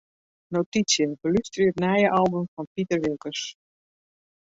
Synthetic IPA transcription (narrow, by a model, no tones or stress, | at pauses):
notit͡sjəbəlystritnajəʔɑlˠbəmfɔnpitərʋekəs